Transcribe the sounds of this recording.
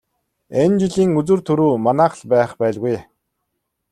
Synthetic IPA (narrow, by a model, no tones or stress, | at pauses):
ent͡ɕiɮiːŋɵt͡sŭrt̪ʰɵɾuːmanæːχə̆ɮpæːχpæːɮɣuj